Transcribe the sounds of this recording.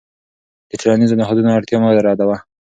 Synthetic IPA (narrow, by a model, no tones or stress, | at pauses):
d̪̥ətɾanizonaɦɑd̪unoaɽt̪jɑmad̪aɾɑd̪awa